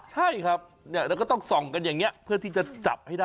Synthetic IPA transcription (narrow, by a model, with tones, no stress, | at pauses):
t͡ɕʰa˥˩jkʰa˦˥p̚ | ni˥˩ɾɛ˧˥k̬ɔ˥˩t̪ɔ˥˩ŋsɔ˨˩ŋka˧njaː˨˩ŋni˦˥ɐpʰɯ˥˩ɐt̪ʰiː˥˩t͡ɕa˨˩t͡ɕa̰˨˩p̚ha˥˩jdaː˥˩